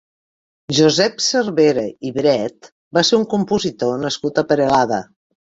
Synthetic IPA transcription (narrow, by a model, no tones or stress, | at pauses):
ʒuzɛpsərβeɾəiβɾɛt̪ | baseuŋkumpuzit̪onəskut̪əpəɾelaðə